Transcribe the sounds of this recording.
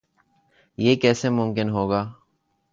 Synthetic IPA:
jeːkɛːsemʊmkɪnɦoːɡaː

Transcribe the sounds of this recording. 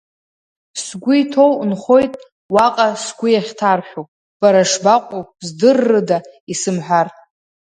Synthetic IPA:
sɡʷʊjtʰo̞wnχo̞jtʼ | waqʼasɡʷʊjaχʲtʰarħᶣopʼ | b̥aɾaʂbaqʷʼozdɨrːɨdaisɨmħʷᶣar

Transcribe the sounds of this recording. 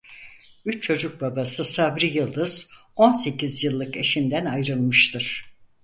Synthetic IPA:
yt͡ʃt͡ʃʰo̞d͡ʒuk̚babasɯsabɾijɯlˠd̪ɯz̥ | o̞nse̞cizjɯlˠːɯke̞ʃind̪ænajɾɯlˠmɯʃt̪ʰɯɾ̥

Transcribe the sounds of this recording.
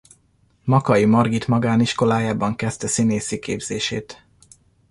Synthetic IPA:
mɒkɒjimɒrɡit̪mɒɡaːniʃko̞laːjaːbɒŋkɛst̪ɛsineːsikeːbz̥eːʃeːt̪

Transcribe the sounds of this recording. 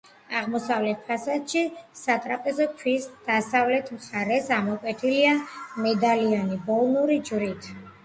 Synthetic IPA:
aʁmɔsavlɛt̪̚pʰasat̪ʃisat̪ʼɾapʼɛzɔkʰwisd̪̥asavlɛt̪ʰmχaɾɛsamɔkʼwɛt̪ʰiliamɛd̪alianibɔlˠnuɾid͡ʒvɾit̪ʰ

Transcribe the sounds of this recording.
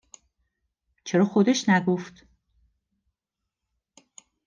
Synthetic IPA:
t͡ʃʰeɾɒːxod̪eʃnæɡoft̪

